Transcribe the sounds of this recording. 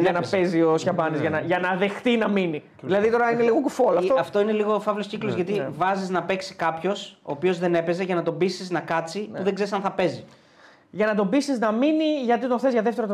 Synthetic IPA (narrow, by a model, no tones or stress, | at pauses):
ɐnɐpe̞ziosçɐbɐnizʝɐnɐʝɐnɐðe̞xθinɐmini | ðilɐðit̪o̞ɾɐineliɣokufolɐtoɐft̪o̞ineliɣo̞fɐvlosciklo̞zʝɐt̪ivɐziznɐpe̞ksi̥kɐpço̞so̞̰ːpio̞zðe̞ne̞pe̞ze̞ʝɐnɐt̪o̞bisiznɐkɐt͡siuðeɡze̞ɾisɐnθɐpe̞zi | ʝɐnɐt̪o̞bisiznɐminiʝɐt̪̬it̪oθezʝɐðe̞ft̪eɾot̪